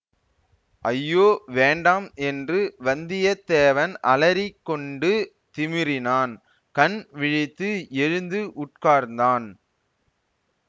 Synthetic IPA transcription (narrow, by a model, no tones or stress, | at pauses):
ʔɐjːoːʋeːɳɖaːmɛndrɯʋɐnd̪ɪjɐt̪ːeːʋɐnʔɐ̰lɐɾɪkːɔɳɖɯ | t̪ɪmɪɾɪnaːn | kɐnʋɪɻɪt̪ːɯɛɻɯnd̪ɯʔʊʈ̚kaːɾnd̪aːn